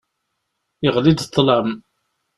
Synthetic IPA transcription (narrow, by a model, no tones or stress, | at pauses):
əʁlid̪t̪ˤːləm